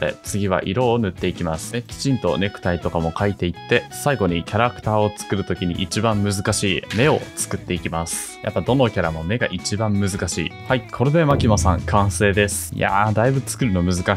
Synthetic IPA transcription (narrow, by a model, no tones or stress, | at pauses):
ḛt͡sɨɡʲiβ̞a̰ʔiɾo̞ːnɯ̟t̪ːe̞ikʲimasɨ̥ekʲi̥t͡ɕĩnt̪o̞̰ne̞kɯ̟̥t̪ait̪o̞kamo̞kʰait̪e̞it̪ːe̞saiɡo̞ɲ̟ikʲaɾakɯ̟̥t̪aːo̞t͡sɨ̥kɯ̟ɾɯ̟t̪o̞kʲiɲ̟ḭʔit͡ɕibãmːɯ̟zɨkaɕiːme̞o̞t͡sɨ̥kɯ̟t̪ːe̞ikʲimasɨ̥ | jʔa̰pːad̪o̞no̞kʲaɾamo̞me̞ɡaʔit͡ɕibãmːɯ̟zɨkaɕḭːhaikʰo̞ɾe̞d̪emakʲimasã̰ŋkʰãɰ̃se̞ːd̪e̞sɨ̥ja̰d̪aibɯ̟t͡sɨ̥kɯ̟ɾɯ̟no̞mɯ̟zɨka